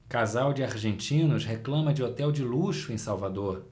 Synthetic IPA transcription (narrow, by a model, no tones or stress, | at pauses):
kazawd͡ʒɪaɾʒẽnt͡ʃĩnʊsɦeklɐ̃mɐd͡ʒɪot̪ɛwd͡ʒɪluʃʊẽj̃sawvad̪oɾ